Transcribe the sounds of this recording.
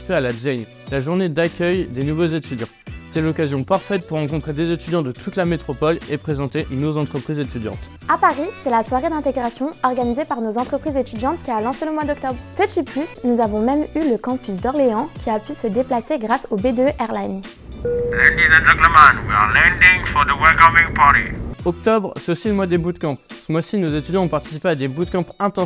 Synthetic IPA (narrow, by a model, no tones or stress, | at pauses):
fɛalabjɛn | laʒuʁned̪akʲœjd̪enuvozet̪yd̪jɑ̃set̪ɛlɔkazjɔ̃paʁfɛt̪̚puʁːɑ̃kɔ̃t̪χed̪ezet̪yd̪jɑ̃d̪ət̪ʰut̪lamet̪χɔpɔlepχezɑ̃t̪enozɑ̃t̪χəpχizet̪yd̪jɑ̰̃t̪ | apaʁisɛlaswaʁed̪ɛ̃t̪eɡʁasjɔ̃ɔʁɡanizepaʁnozɑ̃t̪χəpχizet̪yd̪jɑ̃t̪kʲialɑ̃seləmwad̪ɔk̚t̪ɔbʁpət̪iplysnuzavɔ̃mɛmyləkɑ̃pys̬d̪ɔʁleɑ̃kʲiapysəd̪eplaseɡʁasobed̪eʔɛʁlan | lɛ̃ndizɛ̃ndɛ̃təmãnwia̰lɛ̃ndɪ̃ŋfɔðəwɛlkɔmɪ̃ŋpʰaɾiɔk̚t̪ɔbʁsɛt̪osiləmwad̪ebud̪kɑ̃psəmwasinozet̪yd̪jɑ̃ɔ̃paʁt̪i̥sipead̪ebud̪̚kɑ̃pɛ̃t̪ɑ̃